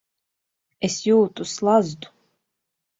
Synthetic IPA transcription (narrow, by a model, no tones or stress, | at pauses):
esjuːt̪uslˠazd̪u̥